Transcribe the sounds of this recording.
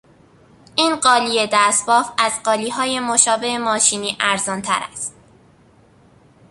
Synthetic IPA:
ʔiːnɢɒːliːje̞d̪æst̪bɒːfæzɢɒːliːɦɒːje̞moʃɒːbe̞emɒːʃiːniːʔæɾzɒːnt̪ʰæ̰ɾæ̰st̪̚

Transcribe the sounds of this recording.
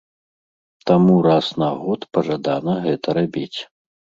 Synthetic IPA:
t̪amuɾasnaɣɔt̪pɐʐad̪anɐɣɛt̪ɐɾabʲit͡sʲ

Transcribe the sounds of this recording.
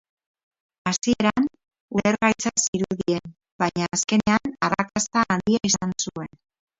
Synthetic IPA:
asie̞ɾan | uɾeɾɣajt͡sasiɾuðie̞n | baɲaːske̞ne̞anarakast̪aːnd̪iaisansue̞n

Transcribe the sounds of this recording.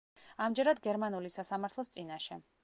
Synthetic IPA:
amd͡ʒɛɾad̪ɡɛɾmanulisasamaɾt̪ʰlˠɔst̪sʼinaʃɛ

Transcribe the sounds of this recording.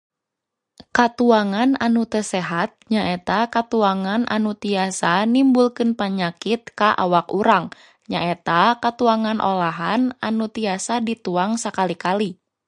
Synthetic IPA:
kat̪uaŋananut̪əsɛɦat̪̚ɲaʔet̪akat̪uaŋanʔa̰nut̪iasanimbulkɨnpaɲakit̪̚kaʔa̰wakuɾaŋ | ɲaʔet̪akat̪uaŋanʔo̰laɦananut̪iasadit̪uaŋsakalikali

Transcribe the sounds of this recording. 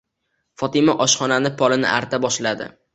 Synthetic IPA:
fɒt̪ɪmaʔɒʃχɒnanɪpʰɒlɪnɪ̰ʔaɾt̪ʰabɒʃlad̪ɪ̰

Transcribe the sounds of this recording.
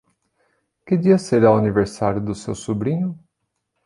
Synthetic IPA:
kɪd͡ʒiɐseɾawaniveɾsaɾjʊd̪ʊsḛwsubɾĩɲʊ

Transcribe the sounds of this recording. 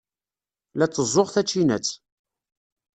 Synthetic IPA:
læt͡sːəzˤoʁθæt͡ʃːinæt͡sː

